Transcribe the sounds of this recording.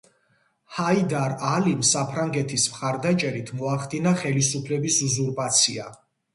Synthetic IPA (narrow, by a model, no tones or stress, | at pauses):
haid̪aɾalimsapʰɾaŋɡɛt̪ʰismχaɾd̪at͡ʃʼɛɾit̪ʰmɔaχd̪inaχɛlisupʰlɛbisuzuɾpʼat̪sʰia